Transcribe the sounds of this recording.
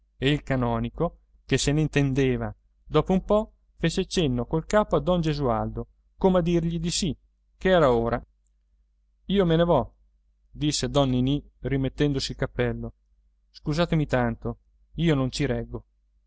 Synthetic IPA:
eilkanɔːniko | keseneint̪end̪eːva | d̪ɔːpoumpɔ | feːt͡ʃet͡ʃenːokolkaːpoad̪ɔnd͡ʒezuald̪o | komead̪ːirʎid̪isi | keɛːɾaoːɾa | iːomenevɔ | d̪isːed̪ɔnːini | rimet̪ːɛnd̪osilkapːɛlːo | skuzaːt̪emit̪ant̪o | iːonont͡ʃiɾɛɡːo

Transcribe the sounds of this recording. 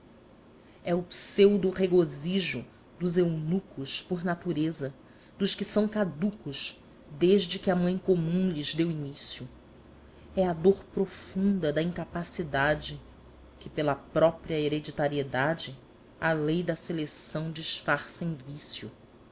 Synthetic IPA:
ɛupsewd̪ʊʁeɡoziʒʊ | d̪ʊzewnukʊʃpoɾnat̪uɾezɐ | d̪ʊʃkɪsɐ̃w̃kad̪ukʊʃ | d̪eʒd͡ʒɪkɪɐmɐ̃j̃komũlɪzd̪ewiɲisjʊ | ɛad̪oɾpɾofũnd̪ɐd̪ɐĩŋkapasid̪ad͡ʒɪ | kɪpelɐpɾɔpɾiɐeɾed͡ʒit̪aɾied̪ad͡ʒɪ | alejd̪ɐselesɐ̃w̃d͡ʒiʃfaɾsẽj̃visjʊ

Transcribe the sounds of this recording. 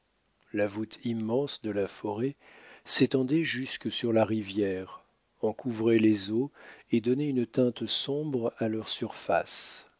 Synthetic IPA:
lavut̪ʰimːɑ̃sd̪əlafɔʁɛ | set̪ɑ̃d̪ɛʒyskəsyʁlaʁivjɛʁ | ɑ̃kʰuvʁelezoed̪ɔneynt̪ɛ̃t̪sɔ̃bʁalœʁsyʁfa̰s

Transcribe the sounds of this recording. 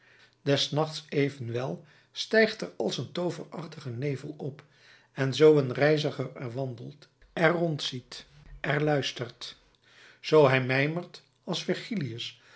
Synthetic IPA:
d̥ɛsnɑχtsejvənʋɛlˠ | stɛjχtɛɹɑlˠsəntowvərɑχtəχənejvə̰lˠɔp | ɛnzowənrɛjzəχəɹɛɹʋɑndəlˠt | ɛrɔntsit | ʔɛɹlœɥstəɹt | z̥owɦɛjmɛjməɹt | ɑlˠsfɪɹχiliəs

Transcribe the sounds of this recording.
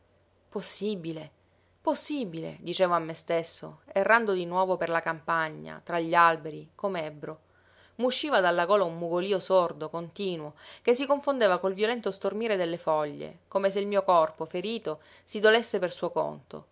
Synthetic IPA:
posːibile | posːibilḛd̪it͡ʃeːvoamːest̪esːo̰erːand̪od̪inwɔːvoperlakampaɲːa̰t̪ɾaʎːialbeɾikomeɛbɾo | muʃːiːvad̪alːaɡoːlaumːuɡoliːosord̪okont̪iːnwokes̬ːikoɱfond̪eːvakolvjolɛnt̪ost̪ormiːɾed̪elːefɔʎːḛkoːmeseilmiːokɔrpofeɾiːt̪o | sid̪olesːepersuːoko̰nt̪o̰

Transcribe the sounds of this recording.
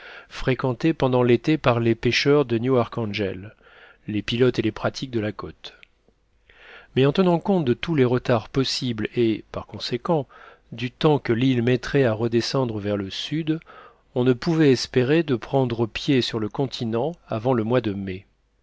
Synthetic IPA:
fχekɑ̃t̪epɑ̃d̪ɑ̃let̪epaʁlepeʃœʁd̪ənjuaʁkɑ̃ʒɛlː | epilɔt̪elepχat̪ʰik̚d̪əlakot̪ | mɛɑ̃t̪ənɑ̃kɔ̃t̪̚d̪ət̪uleʁət̪aʁpɔsiblepaʁkɔ̃sekɑ̃ | d̪yt̪ɑ̃kəlilmɛt̪χɛaʁəd̪esɑ̃d̪ʁəvɛʁləsyd̪ | ɔ̃nəpuvɛɛspeʁed̪əpχɑ̃d̪ʁəpjesyʁləkɔ̃t̪ʰinɑ̃avɑ̃ləmwad̪əme

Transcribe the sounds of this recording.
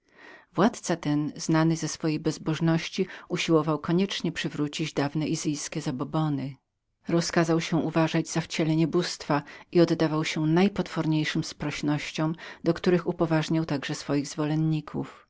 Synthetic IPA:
vwat̪t̪sat̪ɛnznanɘzɛsfɔjejbɛzbɔʐnɔɕt͡ɕiuɕiwɔvawkɔɲɛt͡ʂɲɛpʂɘvɾut͡ɕid͡ʑd̪avnɛʔizɘjskʲɛzabɔbɔnɘ | ɾɔskazawɕɛ̃ʔuvaʐad͡ʑz̥aft͡ɕɛlɛɲɛbust̪faiɔd̪d̪avawɕɛnajpɔt̪fɔɾɲejʂɨmspɾɔɕnɔɕt͡ɕɔ̃w̃d̪̥ɔkt̪uɾɘxupɔvaʐɲawt̪aɡʐɛsfɔjiɣzvɔlɛnɲikʰṵf

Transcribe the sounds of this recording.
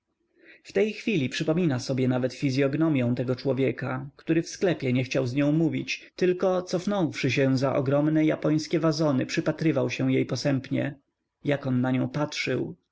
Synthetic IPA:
ft̪ɛjxfʲilʲipʂɘpɔmʲinasɔbʲjɛnavɛt̪fʲizʲjɔɡnɔmʲjɔ̃w̃t̪ɛɡɔt͡ʂwɔvʲjɛkakt̪uɾɘfsklɛpʲjɛɲɛxt͡ɕawzɲɔ̃w̃muvʲit͡ɕt̪ɘlkɔt̪sɔfnɔ̃w̃fʂɘɕ̬ɛ̃zaʔɔ̰ɡɾɔmnɛjapɔj̃skʲɛvazɔnɘpʂɘpat̪ɾɘvawɕɛw̃jejpɔsɛmpɲɛ̰ | jakɔnːaɲɔ̃w̃patʂɘw

